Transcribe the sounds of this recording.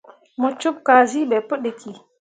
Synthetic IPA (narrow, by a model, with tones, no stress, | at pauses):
mo˨t͡ʃu˦p̚ka˨zi˦ɓɛ˨pə˦ɗe˨ki˨